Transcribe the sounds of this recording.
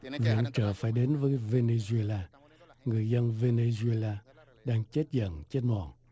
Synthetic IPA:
vḭ˧˨əŋt͡ɕəː˨˩faː˧˩jɗe˨˦nvəː˨˦jve˧ne˧zu˧e˧laː˧ | ŋɨ˨˩əjzə˧nve˧ne˧zu˧e˧laː˧ | ɗaː˧ŋt͡ɕe˦˥t̚zə̰˧˨nt͡ɕe˦˥t̚mɔ̰˧˩n

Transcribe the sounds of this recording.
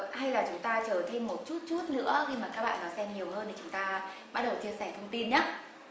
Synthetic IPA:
ha˧jlaː˨˩t͡ɕʊ˨˦ŋ͡mt̪aː˧t͡ɕəː˧˩t̪ʰe˧mːo˨˩t̚t͡ɕu˦˥t̚t͡ɕu˦˥t̚nɨ̰˧˥əxi˧maː˨˩ka˦˥k̚ɓa̰ː˧˨nɔ˨˦jsɛ˧mɲi˨˩əwɦəː˧nɗʰi˨˩t͡ɕʊ˨˦ŋ͡mt̪aː˧ɓa˦˥t̚ɗə˨˩wt̪ʰi˧əsɛ˧˩t̪ʰə˧wŋ͡mt̪i˧nɲaː˦˥

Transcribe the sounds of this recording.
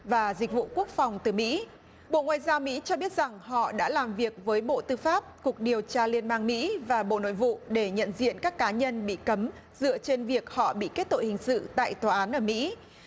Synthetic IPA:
vaː˨˩zï̟˨˩vṵ˧˨ku˦˥ək̚fa˨˩wŋ͡mt̪ɨ˨˩mḭ˧˥ | ɓo̰˧˨ŋwa̰ː˧˨jzaː˧wmḭ˧˥t͡ɕɔ˧ɓi˦˥ət̚z̥a˨˩ŋɦɔ̰˧˨ɗa̰ː˧˥laː˨˩mvi˨˩ək̚vəː˨˦jɓo̰˧˨t̪ɨ˧faː˦˥p̚ku˨˩ək̚ɗi˨˩əwt͡ɕaː˧li˧ənɓaː˧nmḭ˧˥vaː˨˩ɓo̰˧˨no̰˧˨jvṵ˧˨ɗe˧˩ɲə̰˧˨nzḭ˧˨ənkaː˦˥kːaː˨˦ɲə˧nɓḭ˧˨kə˨˦m | zɨ̰˧˨ət͡ɕe˧nvi˨˩ək̚hɔ̰˧˨ɓḭ˧˨ke˦˥t̚t̪o̰˧˨jhï˨˩ŋ̟sɨ̰˧˨t̪a̰ː˧˨jt̪waː˨˩ʔaː˨˦nʔəː˧˩mḭ˧˥

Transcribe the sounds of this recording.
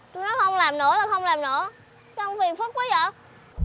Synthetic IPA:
t̪u˧jnɔ˨˦xə˧wŋ͡mlaː˨˩mnɨ̰˧˩˥əlaː˨˩xə˧wŋ͡mlaː˨˩mnɨ̰˧˥ə | sɔ˧wŋ͡mfi˨˩ənft̚k̚wə˨˦zə̰ː˧˨

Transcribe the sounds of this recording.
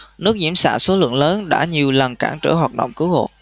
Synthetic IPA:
nɨ˦˥ək̚zḭ˧˩əmsa̰ː˧˩nso˨˦lɨ̰˧˨əŋləː˨˦nɗa̰ː˧˥ɲi˨˩əwlə˨˩nkaː˧˩ŋt͡ɕə̰ː˧˩ɦwaː˨˩t̚ɗə̰˧˨wŋ͡mkɨ˨˦who̰˧˨

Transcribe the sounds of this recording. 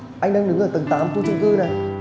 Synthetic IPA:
ʔa˧ŋɗa˧ŋɗɨ˨˦ŋʔəː˧˩t̪ɨ˨˩ŋt̪a̰ː˨˦mk̪u˧t͡ɕu˧ŋ͡mkɨ˧na˨˩j

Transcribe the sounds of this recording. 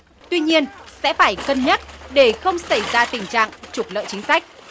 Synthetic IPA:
t̪wi˧ɲi˧ənsɛ̰˧˥faː˧˩jkə˧nɲə˦˥t̚ɗe˧˩xə˧wŋ͡msa˧˩jzaː˧t̪ï˨˩ŋ̟t͡ɕa̰ː˧˨ŋt͡ɕu˨˩k͡p̚lə̰ː˧˨jt͡ɕï˨˦ŋ̟sa˦˥jk̟̚

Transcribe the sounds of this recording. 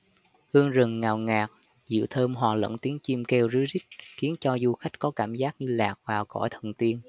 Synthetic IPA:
hɨ˧əŋzə˨˩ŋŋaː˨˩wŋaː˨˩k̚ | zɨ̰˧˩˨wt̪ʰəː˧mɦwaː˨˩lə̰˧˥nt̪i˨˦ənt͡ɕi˧mke˧wzɨ˨˦zi˦˥k̚xi˨˦ənt͡ɕɔ˧zu˧xa˦˥jk̟̚kɔ˨˦kaː˧˩mzaː˦˥k̚ɲɨ˧laː˨˩k̚vaː˨˩wkɔ̰˧˩jt̪ʰə˨˩nt̪i˧ən

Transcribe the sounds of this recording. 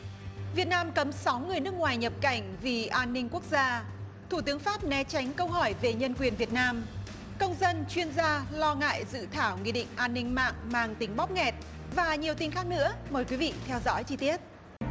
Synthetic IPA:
vi˨˩ət̚naː˧mkə˨˦msa˨˦wŋɨ˨˩əjnɨ˦˥ək̚ŋwaː˨˩jɲə˨˩p̚ka˧˩jŋ̟vi˨˩ʔaː˧nːï˧ŋ̟ku˦˥ək̚zaː˧ | t̪ʰu˧˩t̪ɨ˨˦əŋfaː˦˥p̚nɛ˨˦t͡ɕa˨˦jŋ̟kə˧wɦɔ˧˩jve˨˩ɲə˧nkwi˨˩ənvi˨˩ət̚naː˧m | kə˧wŋ͡mzə˧nt͡ɕwi˧ənzaː˧lɔ˧ŋa̰ː˧˨jzɨ̰˧˨t̪ʰaː˧˩wŋḭ˧˨ɗḭ̈˧˨ŋ̟ʔaː˧nːï˧ŋ̟ma̰ː˧˨ŋmaː˧ŋt̪ï˨˦ŋ̟ɓɔ˦˥k͡p̚ŋɛ˨˩t̚ | vaː˨˩ɲi˨˩əwt̪i˧nxaː˦˥k̚nɨ̰˧˥əməː˨˩jkwi˨˦vḭ˧˨t̪ʰɛ˧wzɔ̰˧˥jt͡ɕi˧t̪i˦˥ət̚

